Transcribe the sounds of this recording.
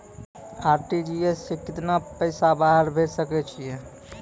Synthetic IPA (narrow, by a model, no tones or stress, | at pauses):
aːɾʈid͡ʒiesːekɪt̪napəɪsabaːɦəɾbʱed͡ʒsəket͡ʃʰie